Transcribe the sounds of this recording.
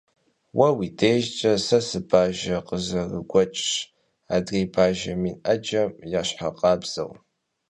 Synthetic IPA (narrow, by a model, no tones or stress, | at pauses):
wɐwiːdeːʒt͡ʃʼɐsɐsɨbʰaːʒɐqəzɐrɨɡʷɔt͡ʃʼʂ | aːdreːbʰaːʒɐmiːnʔɐd͡ʒɐmjaːɕħaqʼɑːbz̥ɐ̰w